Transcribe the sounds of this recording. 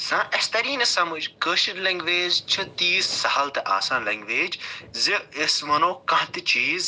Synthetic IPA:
zãːʔɐst̪ɐɾiːnɐsɐmud͡ʒkəːʃinlɐ̃ŋɡʋeːd͡ʒt͡ʃʰɐt̪iːzsɐhɐlt̪ɐʔa̰ːsãːnlɐ̃ŋɡʋeːd͡ʒziesmɐnõːkɐ̃ɦt̪it͡ʃiːz

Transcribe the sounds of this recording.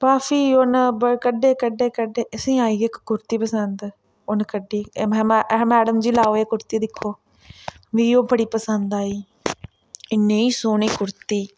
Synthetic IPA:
paːfʰiːonbəkəɖeːkəɖːeːkəɖeːʔəsĩːaːiːɪkːʊɾt̪iːpəsənd̪ | ʊnkəɖːiːmɛmɛːɖəmd͡ʒiːlaːoːeːkʊɾt̪iːd̪ɪkʰːoː | ʋiːoːbəɽiːpəsənd̪aːiː | ɪnːeːiːsoːniːkʊɾt̪iː

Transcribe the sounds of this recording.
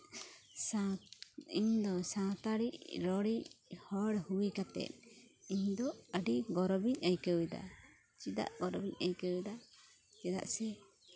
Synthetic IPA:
sa | iɲd̪ɔsãt̪aɽiʔɾɔɽihɔɽhuwikat̪ɛ̰t̪̚iɲd̪ɔəɖiɡɔɾɔbiɲəjkəwid̪a̰ | t͡ʃid̪a̰ʔɡɔɾɔbiɲəjkəwid̪a | t͡ʃɛd̪a̰ʔsɛ

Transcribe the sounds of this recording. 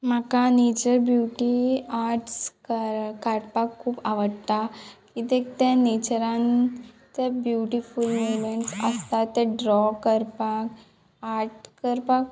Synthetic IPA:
makanet͡ɕəɾbjuʈiaɾʈskəkaɾpakʰːuːpaʋəɽt̪akit̪ek̚t̪enet͡ɕəɾãn | t̪ebjuʈifulmuʋmeɳʈsəst̪at̪ːeɖɾɔkəɾpak | aɾʈkəɾpak

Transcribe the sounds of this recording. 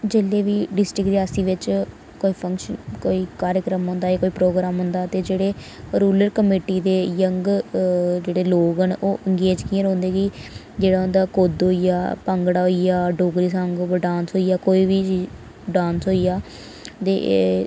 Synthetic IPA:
d͡ʒeːleːʋiːɖɪsʈɾɪkɾeaːsiːʋɪt͡ʃ | koːiːpʰəŋkʃənkoːiːkaːɾəkɾəmɦʊ̃nd̪aːekoːiːpɾoːɡɾaːmɦʊ̃nd̪aːt̪eːd͡ʒeːɽeː | ɾuːləɾkəmeːʈiːd̪eːjəŋɡ | d͡ʒeːɽeːloːɡənoːʔəŋɡeːd͡ʒkĩːãɾõːnd̪eːɡi | d͡ʒeːɽaːɦʊ̃nd̪aːkoːd̪ɦoːijaːpəŋɡɽaːɦoijaːɖoːɡɾiːsə̃ŋɡɖãːnsɦoːijaːkoːiːʋiːt͡ʃiː | ɖãːnsɦoːijaː | t̪ḛː

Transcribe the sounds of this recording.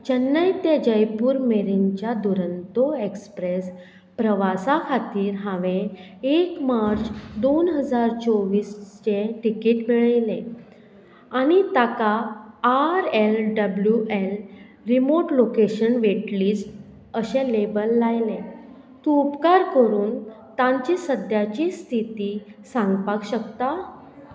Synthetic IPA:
t͡ɕənːəjt̪jed͡ʑəjpuːɾmeɾiɲt͡ɕjad̪uɾənt̪oekspɾes | pɾəʋasakʰat̪iːɾɦãʋẽ | ekmaɾt͡ɕd̪onɦəd͡zaɾt͡sɔʋiːst͡ɕẽʈikiːʈmeɭəjlẽ | añit̪akaː | ɾelɖəbljuʔel | ɾimoʈlokeɕənʋeʈliːt͡s | əɕẽlebəlːajlẽ | t̪ũupkaɾkəɾuːn | t̪ãɲt͡ɕisəd̪jat͡ɕist̪ʰit̪iːsãŋɡpakɕəkt̪a

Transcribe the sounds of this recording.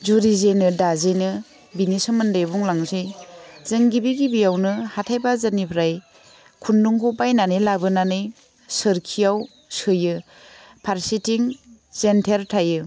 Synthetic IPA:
d͡ʒuɾizenɯdazenɯ | binisɯmɯndɯjbuŋlaŋzejzɯŋɡibiɡibijawnɯhatʰajbazanipʰɾaj | kʰunduŋkʰupajnanɯlabɯnanɯj | sɯɾkʰijaw | sɯjɯ | pʰaɾsitiŋ | zentʰeɾtʰajɯ

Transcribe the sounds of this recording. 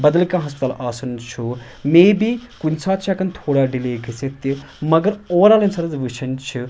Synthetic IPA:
bɐd̪ɐlkãːɦɐspt̪aːlʔaːsɐnt͡ʃʰu | meːbikunʲsaːt̪t͡ʃʰakɐnt̪ʰoːɽaːɖileːkʰiset̪i | mɐɡɐɾoːɾaːlɐnsɐɾɐzʋɨt͡ʃʰɐnt͡ʃʰi

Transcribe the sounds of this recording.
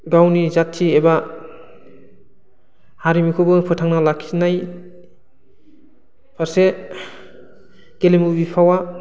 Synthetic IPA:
ɡawnizatʰːieba | haɾimikʰɯbɯpʰɯtʰaŋnalakʰinaj | pʰaɾse | kelemubipʰawa

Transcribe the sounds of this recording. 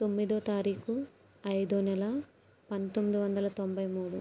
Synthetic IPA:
t̪o̞mːid̪oːt̪aːɾiːku | ɐjd̪unɛlɐ | pɐnt̪omːid̪iʋɐnd̪ɐlɐt̪o̞mbʱɐjmuːɽu

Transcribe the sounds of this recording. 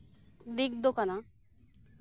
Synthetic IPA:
d̪ik̚d̪okana

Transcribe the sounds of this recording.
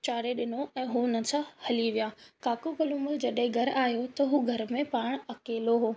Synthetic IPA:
t͡ɕaːɾeɗɪnoɛ̃ːɦuʊnəsãhɐliʋijaːkaːkokɐlumʊld͡ʑɐɗɦɪ̃ɡʱɐɾaːɦjot̪ɐɦuːɡʱɐɾmẽpaːɽ̃ɐkeːloɦoː

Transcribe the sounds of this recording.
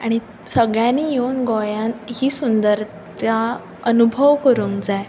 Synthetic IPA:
aɽ̃i | səɡɭjãniːjeunɡɔjãnhiːsund̪əɾ | t̪ja | ənubʱəʋkəɾuːŋkd͡zaj

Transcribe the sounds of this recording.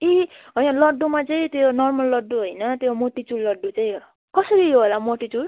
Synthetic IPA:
iɦʌjãlʌɖːumat͡saĩt̪jonʌrmʌlːʌɖːuɦojnʌt̪jomoʈit͡sulːʌɖːut͡saĩ | kʌsʌɾioɦolamoʈit͡sul

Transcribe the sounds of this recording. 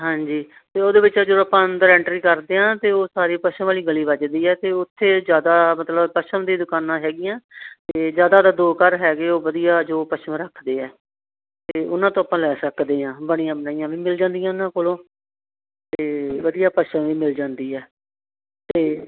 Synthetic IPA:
ɦãːɲd͡ʒiː | t̪eːoːd̪eːbɪt͡ʃːd͡ʒoaːpãːd̪əɾɛ̃ːɳʈɾiːkəɾd̪eːãːt̪eːoːsaːɾiːpəʃə̃ʋaːliːɡəliːbət͡ʃd̪iːɛːt̪eːʊt̪ʰːeːzjaːd̪aːmət̪ləbpəʃəmd̪iːd̪ʊkaːnãːɦɛːɡɪjãːt̪eːzjaːd̪aːd̪aːd̪oːkəɾɦɛːɡeːoːʋəd̪ijaːd͡ʒoːpəʃəmɾəkʰd̪eːɛː | t̪eːʊnãːt̪õːaːpãːlɛːsəkd̪eːãːbəɽ̃ĩjãːbənaːijãːʋiːmɪld͡ʒãːnd̪ijãːɪnãːkoːlõː | t̪eːʋəd̪ijaːpəʃəmʋiːmɪld͡ʒãːnd̪iːɛː | t̪eː

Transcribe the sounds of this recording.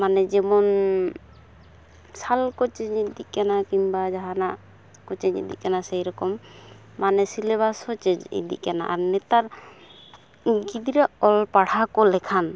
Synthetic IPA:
manɛd͡ʒɛmɔn | salkɔt͡ʃɛɲid̪ikanakimbad͡ʒaɦanaʔ | kɔt͡ʃɛɲḭd̪ḭʔkanasɛjɾɔkɔmː | anɛsileβashɔt͡ʃed͡ʒḭd̪ḭʔkana̰ʔaɾnɛt̪aɾ | ɡid̪iɾaɔlpaɽakɔlɛkʰan

